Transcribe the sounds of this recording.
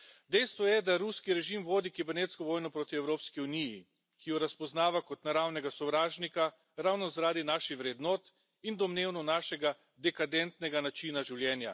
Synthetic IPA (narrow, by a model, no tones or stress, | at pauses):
d̪ɛjst̪ʋɔjɛd̪aɾuskiɾɛʒimʋoːd̪ikibɛɾneːt̪skɔʋɔːjnɔpɾoːt̪iɛwɾoːpskiuniji | kijɔɾaspɔznaːʋakɔt̪naɾawnɛɡasɔʋɾaːʒnika | ɾaːwnɔzaɾaːd̪inaʃixʋɾɛd̪noːt̪ | ind̪ɔmneːwnɔnaːʃɛɡa | d̪ɛkad̪ɛnt̪nɛɡanat͡ʃiːnaʒiwljɛːnja̰